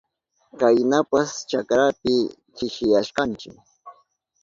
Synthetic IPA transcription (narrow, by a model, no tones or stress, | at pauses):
kajnapast͡ʃakɾapɪ | kɪʃɪjaʃkɑnt͡ʃɪk